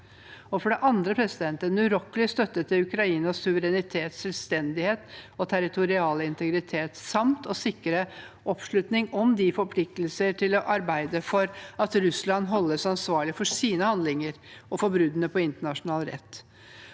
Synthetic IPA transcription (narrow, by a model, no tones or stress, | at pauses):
ɔfɔɖɛʔɑnd̪ɾəpʰɾɛsɪd̪ɛnt̪ənʉɾɔklɪst̪œt̪ːət̪ʰːɪʉkɾɑiːnɑsʉʋəɾɛnɪt̪ʰeːt̪sɛlʋst̪ɛnd̪ɪheːt̪ɔt̪ʰæɾɪt̪ʰʊɾɪɑːləɪnt̪ʰəɡɾɪt̪ʰeːt̪sɑmt̪ɔsɪkːəɾə | ʔɔpʂɭʉt̪nɪŋɔmd̪ɪfɔɾpʰlɪk̚t̪lsəʈʰɪlɔʔɑɾbæɪd̪əfɔɾɑt̪ɾʉslɑnːɦɔlːəsɑnsʋɑːɭɪfɔʂiːnəhɑnd̪lɪŋəɾɔfɔɾbɾʉd̪ənəpʰɔɪnt̪əɳɑʂʊnɑːlɾɛ̰t̪ː